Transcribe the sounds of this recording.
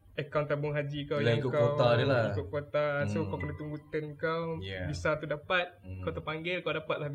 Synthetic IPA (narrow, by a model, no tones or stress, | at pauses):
əkawnt̪abʊŋɦad͡ʒikawjaiŋkʊkakow̪adəlaikʊt̪̚kot̪asokawpənət̪uŋbut̪ənkawbisat̪udapat̪̚kawt̪əpaŋɡɪlkawdapat̪̚lah